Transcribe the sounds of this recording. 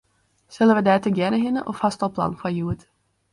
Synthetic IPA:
sɛləʋəd̪ɛːt̪əɡjɛnəɦɪnə̰ʔofhɑst̪ɑlˠpʰlɑ̰nfɑjuːət̪

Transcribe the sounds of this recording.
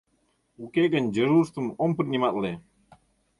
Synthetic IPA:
ukeɡənʲd͡ʒəɾuɾst̪umompəɾnʲimat̪le

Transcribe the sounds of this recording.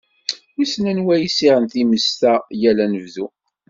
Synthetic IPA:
isnænwæjisiʁənt̪iməst̪æjælænəvðu

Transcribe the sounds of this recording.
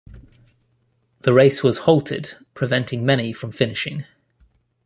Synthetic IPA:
ðəɹeɪswɒz̥hɒlˠtʰɪ̰d̥pʰɹ̥ɪvɛ̃ntʰɪ̃ŋmɛnifɹə̃ɱfɪnɪʃɪ̰̃ŋ

